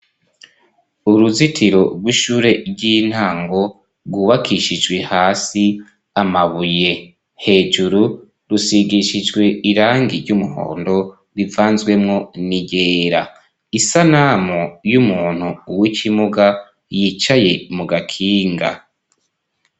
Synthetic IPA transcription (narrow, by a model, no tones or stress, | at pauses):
uɾuzitʰiɾo̞ɾɡwiʃuːɾe̞ɟin̥haːŋɡo̞ | ɾɡuβakʰiʃid͡ʒɡwe̞haːsi | amaβuje̞ | he̞ːd͡ʒuɾu | ɾusiɡiʃid͡ʒɡwe̞iɾaːŋɡiɾɟumuho̞̰ːndo̞ | ɾivaːnzɡwe̞mŋo̞niɟe̞ːɾa | isanamojumuːn̥huːwicʰimuɡa | jit͡ʃaje̞muɡakʰiːŋɡa̰